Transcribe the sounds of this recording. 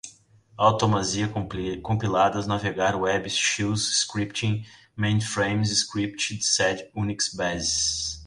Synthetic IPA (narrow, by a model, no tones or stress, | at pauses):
awt̪omaziɐkõmpilad̪ɐznaveɡaɾwɛbɪʃizskɾipt͡ʃĩ | mẽj̃nfɾẽj̃mzɪskɾipt͡ʃɪd̪sɛd͡ʒũniksbɛzs